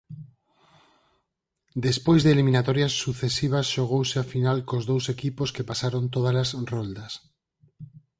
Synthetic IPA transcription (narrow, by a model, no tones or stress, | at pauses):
d̪espojzðelimĩnat̪ɔɾjɐsːuθesiβ̞ɐsʃoɣ̞owsɪafinalkozðowsekiposkepasaɾont̪oð̞ɐlasrɔld̪ɐs